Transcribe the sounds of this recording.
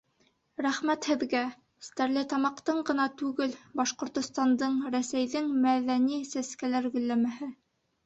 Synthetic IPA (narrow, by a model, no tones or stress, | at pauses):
ɾæχmæt̪hɘ̆ðɡæ | st̪æɾlɘt̪ɑmɑqt̪ɤɴɢɤ̆nɑt̪ʉɡɘlbɑʃqŏɾt̪ŏst̪ɑnd̪ɤɴɾæsæjðɘŋmæðænisæskælæɾɡɵ̆lːæmæhɘ